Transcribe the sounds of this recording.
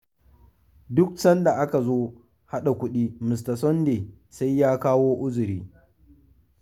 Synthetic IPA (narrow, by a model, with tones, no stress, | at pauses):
dʊ˦k̚sɐ˦nda˨ʔa˦ka˨zoː˦ | ha˦ɗa˨kʷʊ˦ɗiː˦mɪ˨s̬ta˨sɔ˦nde˨ | sa˦jːaː˦kaː˦woː˦ʔʊ˦zʊ˨ɾiː˦